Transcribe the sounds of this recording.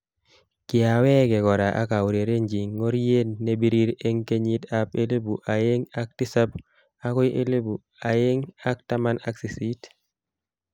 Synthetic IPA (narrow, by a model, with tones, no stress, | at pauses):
kɪ˨a˨wɛ˦kɛ˨kɔ˨ɾa˨ʔa̰˦ka˨wu˨ɾe˨ɾe˦ɲd͡ʒi˨ŋːo˦ɾje˦nːe˨˦bi˦ɾi˦ɾe˦ŋke˦ɲi˦ta˦pe˦le˦bu˨ʔa˨je˦ŋa˦k̚ti˦sa˦p | a˦kɔ˦ʔe˦le˦bu˨ | a˨je˦ŋa˦k̚ta˦ma˦na˦ksi˨si˦t